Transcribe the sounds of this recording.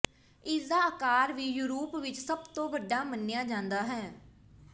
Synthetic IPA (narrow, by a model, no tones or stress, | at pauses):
ɪsd̪aːəkaːɾʋiːjuːɾuːpʋɪt͡ʃsəbt̪õːbəɖːaːmənːjaːd͡ʒãːnd̪aːɦɛː